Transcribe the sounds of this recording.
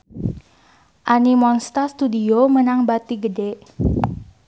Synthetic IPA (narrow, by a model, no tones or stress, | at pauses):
ʔanimɔnst̪ast̪udiomənaŋbat̪iɡədɛʔ